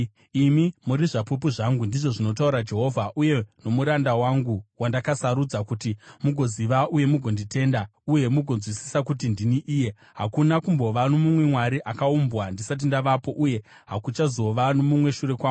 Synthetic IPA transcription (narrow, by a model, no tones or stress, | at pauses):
imimuɾiʐapupuʐaŋɡundiʐo̞ʐino̞t̬auɾad͡ʒe̞ɦo̞vʱaʔuje̞no̞muɾandawaŋɡuwandakasaɾud͡zakutimuɡʱo̞ziʋaʔuje̞muɡʱo̞ndite̞ndauje̞muɡʱo̞nzwisi̥sakutindiniʔiːje̞ | ɦakunakumbo̞ʋano̞mumwe̞mwaɾiʔakaumbwandisat̬indaʋapo̞ʔuje̞ | ɦakut͡ʃazo̞ʋanomumwe̞ʃuɾe̞kwaːɡu